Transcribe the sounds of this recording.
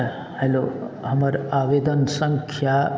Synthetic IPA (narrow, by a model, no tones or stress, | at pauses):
helo | hɐməɾaːʋeːd̪ənsɐ̃ŋkʰja